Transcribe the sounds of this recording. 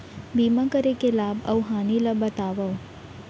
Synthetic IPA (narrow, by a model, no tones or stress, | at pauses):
biːmakəɾekelaːbɐwɦaːnilabɐt̪aːʋɐw